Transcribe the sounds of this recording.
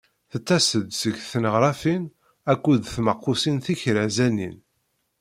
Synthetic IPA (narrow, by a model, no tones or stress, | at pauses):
θət͡s̪ːæsəd̪səɡθnəʁɾˤɑfin | ækʷːuðθməqːusinθiçɾəʕzænḭn